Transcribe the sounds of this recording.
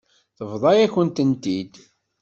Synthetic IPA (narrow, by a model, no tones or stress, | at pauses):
θəvðˤɑjæçənt̪ənt̪id̪